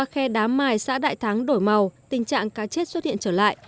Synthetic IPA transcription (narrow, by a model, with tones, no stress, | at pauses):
aː˧xɛ˧ɗaː˨˦mːaː˨˩jsa̰ː˧˥ɗa̰ː˧˨jt̪ʰa˨˦ŋɗo˧˩jma˨˩wt̪ï˨˩ŋ̟t͡ɕa̰ː˧˨ŋkaː˨˦t͡ɕe˦˥t̚swə˦˥t̚hḭ˧ənt͡ɕəː˧˩la̰ː˧˨j